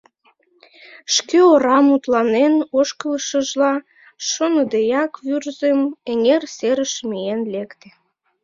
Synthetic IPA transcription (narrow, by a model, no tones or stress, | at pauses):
ʃkøoɾɑmut̪lɑnenoʃkələʃəʒlɑ | ʃonəd̪ejɑkβyrzemeŋerseɾəʃmienlekt̪e̥